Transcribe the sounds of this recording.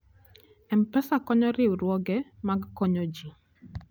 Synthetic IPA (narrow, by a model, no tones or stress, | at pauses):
ɛmpɛsakɔɲɔɾɪwɾwɔɡɛmaɡkɔɲod͡ʒi